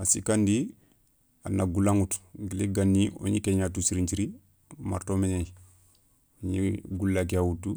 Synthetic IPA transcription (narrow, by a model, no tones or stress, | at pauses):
asikandi | anaɡulaŋutɡileɡanːio̰ɲikeɲatusiɾiɲt͡ʃiɾi | ma̰ɾtomeɲaj | ɲiɡulːak̬iawutːu